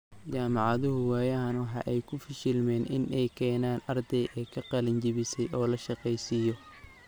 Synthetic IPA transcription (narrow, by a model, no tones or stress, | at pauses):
t͡ʃaːmɑʕɑðʊɦʊwɛːjɐɦɐnwħɑ̰ʔɛjkʰʊfɪʃɪlmɛːnʔɪnʔɛjkʰɛːnaːnɐrd̪ɛjʔɛːkʰɐqɑlɐɲt͡ʃɪβɪsɛjʔɔːlɐʃɑqɛjsiːjɔ